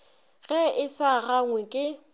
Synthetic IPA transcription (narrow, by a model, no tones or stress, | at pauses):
ɣɛɪsaɣaŋwɛkʼɪ